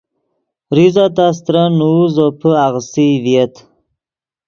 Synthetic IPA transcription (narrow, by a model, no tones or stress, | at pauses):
ɾizat̪as̬t̪ɾanuuzopʰəaɣsiviet̪